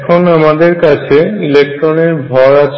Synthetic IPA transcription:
kʰonamad̪eɾkat͡ɕʰeilek̚ʈɾoneɾbʱɔɾat͡ɕʰ

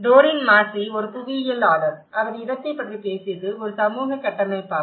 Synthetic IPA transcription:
ɖ̪oːɾɪnmaːsiɔɾɯpʊʋɪjɐlaːlɐɾɐʋɐðɯɪɾɐt̪ːɐɪpːɐʈripeːsɪjɐðɯɔɾɯsɐmuːɣɐkːɐʈːɐnɐɪpːaː

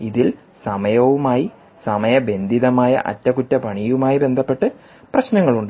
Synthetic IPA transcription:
iðil | sɐmɐjɐʋumaːji | sɐmɐjɐbe̞nd̪ʱiðɐmaːjɐ̰ʔɐ̰tːɐkutːɐpɐɳijumaːjibe̞nd̪ʱɐpːe̞ʈːɨ | prɐɕnɐŋːɐɭuɳɖ

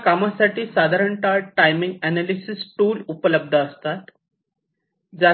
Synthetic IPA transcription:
kamasaʈiːsad̪ʱaɾəɳʈaʈajmĩŋɡɛnalisisʈuːlupələb̚d̪ʱəːst̪at̪ | d͡za

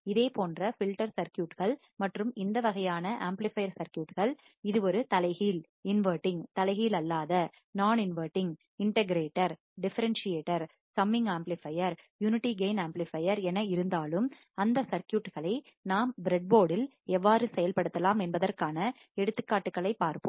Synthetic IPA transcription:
ɪðeːpoːndrɐfɪlʈɐɾsɐɾkjuːʈɣɐɭ | mɐʈrɯmɪnd̪ɐʋɐɣɐjaːnɐʔaːmplɪfɐjɐɾsɐɾkjuːʈɣɐɭ | ɪðɯɔɾɯt̪ɐlɐɪɣil | ɪnʋəːɾʈːɪŋt̪ɐlɐɪɣiːlɐlːaːðɐ | naːnɪnʋɐːʈːɪŋ | ɪɳʈɐɡɾeːʈːɐɾ | ɖɪfɐɾɛnsɪjeːʈːɐɾ | sɐmːɪŋɡaːmplɪfɐjɐɾjuːnɪʈːiɡeːnaːmplɪfɐjɐɾɛnɐɪɾɯnd̪aːlɯm | ɐnd̪ɐsɐɾkjuːʈɣɐɭɐɪ | naːmbɪɾɛɖ̚boːɽɪl | ɛʋːaːɾɯsɛjɐlpɐɽɯt̪ːɐlaːmɛnbɐðɐrkaːnɐ | ɛɽɯt̪ːɯkːaːʈːɯkːɐɭɐɪpːaːɾpɯm

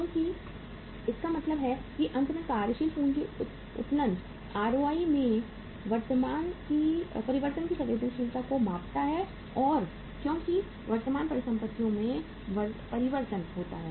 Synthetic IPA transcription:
kjõːki | ɪskamɐt̪ləbɦɛkiʔɐ̃nt̪nəkaːɾjəʃiːlpuːnki | ʊ̰t̪lə̃n | aːɾoʋaːimẽ | ʋɐɾt̪əmaːnkipɐɾɪʋəɾt̪ənkisɐʋeːd̪ənʃiːlt̪akomãːpt̪aɦɛ | ɔːɾ | kjõːki | ʋɐɾt̪əmaːnpɐɾɪsɐ̃mpət̪ʰːijõmẽ | ʋɐpɐɾɪʋəɾt̪ənɦoːt̪a̰ɦɛː

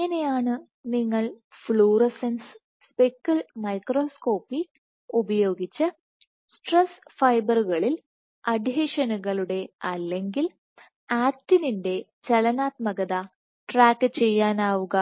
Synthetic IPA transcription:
enejaːɳɨ | niŋːɐɭ | fɭuːrɐsensɨ̥ | spekːɐlmɐjkro̞ːsko̞ːpːi | ubɐjo̞ːɡit͡ɕːɨ | sʈresfɐjbɐruɣɐɭil | ɐd̪ʱjeʂɐnuɣɐɭuɽe̞ɐlːe̞ŋɡil | aːtːininde̞ | t͡ɕɐlɐnaːt̪mɐɣɐðɐ | ʈraːkːɨt͡ɕe̞jːaːnaːʋuɣɐ

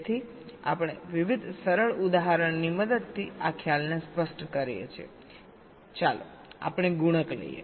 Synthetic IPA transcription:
t̪ʰi | a̰pɽ̃eʋiʋid̪ʱsəɾəɭud̪aɦaɾəɳniməd̪əd̪̚t̪ʰiakʰjalnespəsʈkəɾjḛt͡ʃʰiḛ | t͡ʃalo̰ | a̰pəɽ̃eɡuɽ̃əklə̰ijḛ

